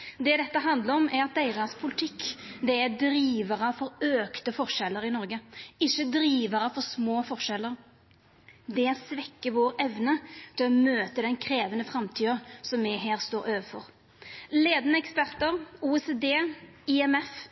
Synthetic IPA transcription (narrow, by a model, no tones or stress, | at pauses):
d̪ɛd̪ɛt̪ːəɦɑnd̪ləɾɔmæɾɑt̪̚d̪æɪʁɑspʰʊlɪt̪ʰɪkːd̪ɛæɾd̪ɾiːʋəʁəfɔɾøːkt̪əfɔɾʂɛlːəɾɪnɔɾɡəɪçːəd̪ɾiːʋəɾəfɔɾsmoːfɔʂɛlːəɾ | d̪ɛæsʋɛkːəʋoːɾɛʋnət̪ʰɪlɔmøːt̪əd̪ɛnkʰɾeːʋənəfɾɑmt̪ʰyːəsɔmːɪɦæːɾst̪oːɾøːʋəfɔ̰ɾ | leːd̪nəɛkspæɾt̪əɾuːɛsed̪eː | ɪɛmɛf